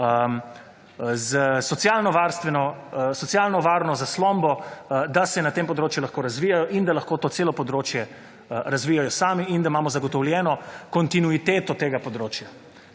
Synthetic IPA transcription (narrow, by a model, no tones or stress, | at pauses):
ə | zəsɔtsjalnɔʋaɾst̪ʋɛnɔsɔt̪sjalnɔʋaːɾnɔzaslɔmbɔd̪asɛnat̪eːmpɔd̪ɾoːt͡ʃjulaxkoːɾɐzʋijajɔʔind̪alɐxkoːt̪oːtseːlɔpɔd̪ɾoːt͡ʃjɛ | əɾazʋiːjajɔsaːmiind̪aimaːmɔzɐɡɔt̪ɔwljɛːnɔkɔnt̪inuit̪eːt̪ɔt̪eːɡapɔd̪ɾoːt͡ʃja